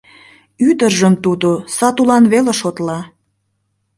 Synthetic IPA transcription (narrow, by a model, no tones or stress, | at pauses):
yd̪ərʒəmt̪ud̪osɑt̪ulɑnβeleʃot̪lɑ